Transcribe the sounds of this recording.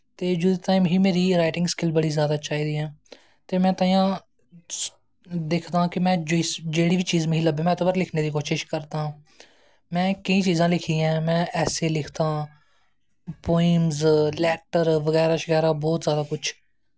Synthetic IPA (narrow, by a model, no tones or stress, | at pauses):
t̪eːd͡ʒuːd̪et̪aːɪmɦiːmeːɾiːɾaːɪʈɪ̃ŋɡskɪlbəɽiːzjaːd̪aːt͡ʃaːɦiːd̪iːɛ̃ː | t̪eːmɛ̃ːt̪əːĩjãː | d̪eːkʰt̪ãːkɪmɛ̃ːd͡ʒoisd͡ʒeːɽiːʋiːt͡ʃiːzməɦĩləbẽːmɛ̃ːt̪obəɾlɪkʰneːd̪iːkoːʃɪʃkəɾt̪ãː | mɛ̃ːkəĩːt͡ʃiːzãːlɪkʰiɛ̃ːmɛ̃ːʔɛːselɪkʰt̪ãː | poːɪmzlɛːʈəɾʋəɣɛːɾaːʃɣɛːɾaːbɔːt̪zjaːd̪aːkʊt͡ʃʰ